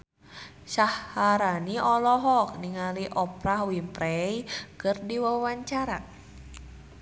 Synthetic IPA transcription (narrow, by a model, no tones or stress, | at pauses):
sahːaɾaniʔɔlɔɦɔk̚niŋaliʔɔpɾahwimpɾɛjkɨrdiwawaɲt͡ʃaɾa